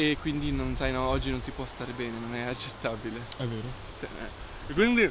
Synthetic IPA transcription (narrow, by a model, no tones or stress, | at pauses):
ekːwind̪inonsajnɔɔd͡ʒːinonsipwɔst̪aːɾebɛːnenonɛat͡ʃːet̪ːaːbileɛvːeːɾo | sḭɛ̰ | kːwind̪i